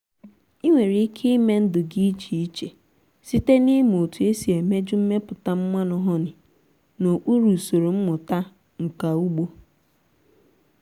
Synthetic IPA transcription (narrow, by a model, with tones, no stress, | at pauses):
i˦ŋʷe˨ɾi˦kʰe˦me˦n̩˦dʊ˨ɡi˦t͡ʃi˨i˦t͡ʃe˨ | si˦te˦ni˦m˨o˨tu˨e˦si˨e˨me˦d͡ʒʊ˦m̩˦me˦pʊ˨ta˦m̩˦mʷa˦nʊ˦ɦɔ˦nɪ˨ | no˨k͡pu˦ɾu˨so˨ɾo˨m̩˦mʊ˨ta˦ | ŋ̩˨ka˨u˦ɡ͡bo˦